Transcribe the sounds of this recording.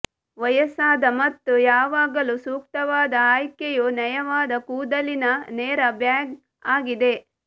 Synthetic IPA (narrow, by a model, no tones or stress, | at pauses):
ʋɐjɐsaːd̪ɐmɐt̪ːujaːʋaːɡɐlusuːk̚t̪ɐʋaːd̪ɐaːjkejunɐjɐʋaːd̪ɐkuːd̪ɐlinɐneːɾɐbjaːɡ | aːɡid̪e̞